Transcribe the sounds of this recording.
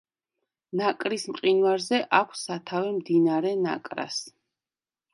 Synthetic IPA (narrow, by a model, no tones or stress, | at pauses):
nakʼɾismqʼinwaɾzɛʔakʷʰsːat̪ʰavɛmd̪inaɾɛna̰kʼɾa̰s